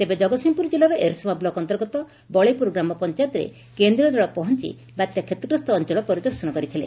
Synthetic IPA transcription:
t̪ebed͡ʒɔɡɔsimpuɾd͡ʒilaɾɔʔeɾsɔmablɔkɔnt̪ɔɾɡɔt̪ɔ | bɔɭepɾoɡɾamɔpɔnt͡ʃajt̪ɾḛ | kend̪ɾiɔd̪aɭɔpɔɦɔnt͡ʃḭ | bat̪jakʰet̪ɔkɾust̪ɔːnt͡ʃɔɭɔpɔɾid̪ɔɾsɔnɔkɔɾit̪ʰilḛ

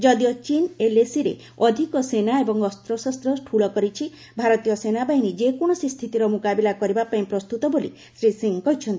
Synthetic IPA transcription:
d͡ʒɔd̪ijɔt͡ʃinelesiɾe | ɔd̪ʱikɔsenaebɔŋɔst̪ɾɔsɔst̪ɾɔʈʰuɭɔkɔɾit͡ʃʰi | bʱaɾɔt̪ijɔsenabainid͡ʒekoɽ̃ɔsist̪ʰit̪iɾɔmukabilakɔɾibapaĩpɾɔst̪ut̪ɔboli | sɾisiŋkɔɦit͡ʃʰɔnt̪i

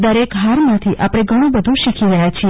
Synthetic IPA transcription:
d̪əɾekɦaɾmãt̪ʰiʔapɽ̃eɡʱəɽ̃ũbəd̪ʱũʃikʰiɾəɦjat͡ʃʰie

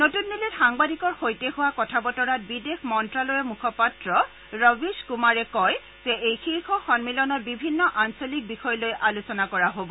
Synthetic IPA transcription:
notunːilitxaŋbadikɔɹxojtehuwakɔtʰabɔtɔɹat̚bidexmɔntɹalojɛmukʰɔpatɹɔ | ɹɔbiskumaɹɛkɔj | z̥ɛʔejxixɔxɔnmilɔnɔt̚bibʱinːɔʔansolik̚bixɔjɔlojʔalusɔnakɔɹaɦobɔ

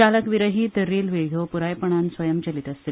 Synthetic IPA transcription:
aləkʋiɾəɦitt̪əɾːiːlʋeɡʱjopuɾajpəɳ̃ansʋɐjəmt͡ɕəlit̪ɐsst̪i

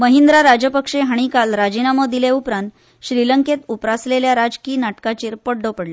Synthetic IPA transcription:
məɦind̪ɾaɾad͡ʑəpəkʂeɦaɽ̃ikalɾad͡ʑinaməd̪ileupɾãnt̪ | ɕɾiləŋket̪upɾasleljaɾad͡zkiːnaʈkat͡ɕiːɾpəɽɖopəɽla

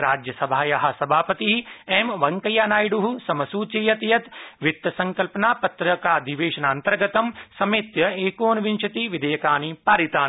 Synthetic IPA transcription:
ɾaːd͡ʒjɐsɐbʱaːjɐɦɐ̆sɐbʱaːpɐt̪iɦiemʋɐŋkɐjaːnaːjɖuɦusɐmɐsuːt͡ʃejɐt̪jɐt̪ʋɪt̪jɐsɐ̃ŋkɐlpɐnaːpɐt̪ɾɐkaːd̪ʱiʋeːʃɐnaːnt̪ɐɾɡɐt̪ɐmsɐmeːt̪jɐeːkoːnʋɪnʃɐt̪iʋɪd̪ʱejɐkaːniːpaːɾit̪aːn

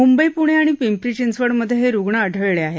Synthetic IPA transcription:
mumbəjpuɽ̃eaɽ̃ipimpɾit͡ɕinsʋəɽməd̪ʱjeɦeɾuɡɳaəɖʱəɭɭeaɦe

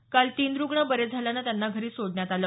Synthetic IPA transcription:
kalt̪iːnɾuɡɳəbəɾed͡zʱaljanːat̪janːaɡʱəɾiːsoɽɳjat̪aləː

